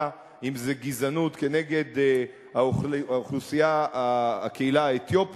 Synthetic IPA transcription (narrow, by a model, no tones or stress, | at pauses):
imzeɡizanut̪ke̞ne̞ɡe̞d̪ | aaoχlusijaaa̰keilaaet̪jo̞p